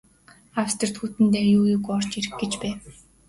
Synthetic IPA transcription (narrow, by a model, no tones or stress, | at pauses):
awst̪ɞ̆rt̪xuːt̪ɘ̆nt̪eːjuːjuːɡɔr̥t͡ɕeɾɘ̆xɡĕt͡ɕpæː